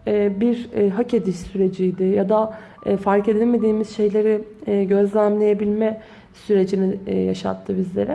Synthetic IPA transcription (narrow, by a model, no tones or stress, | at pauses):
ɛːbiɾɦace̞d̪iʃsyɾe̞d͡ʒijd̪ɪjad̪a | ɛfaɾce̞d̪ilʲme̞d̪iːmiz̥ʃe̞jlʲe̞ɾɪɟø̞zlʲæmlʲe̞je̞bilʲmɛ | syɾe̞d͡ʒinija̰ʃa̰t̪ʰːɯbizlʲe̞̰ɾɛ